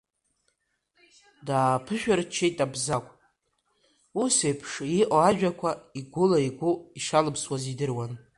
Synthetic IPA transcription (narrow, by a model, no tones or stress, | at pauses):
daːpʰɨʃᶣart͡ʃʰejtʼabzakʷʼ | usejpʰʂiʔʼoaʒᶣakʷʰaiɡʷʊlaiɡʷʊiʂalɨpʰswazidɨrwan